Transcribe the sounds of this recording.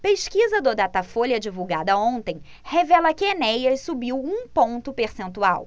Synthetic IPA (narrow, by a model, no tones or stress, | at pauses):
peʃkizɐd̪ʊd̪at̪afoʎɐd͡ʒivuwɡad̪ɐõnt̪ẽj̃ | hevɛlɐkɪenɛjɐsubiwũpõnt̪ʊpeɾsẽnt̪ua̰w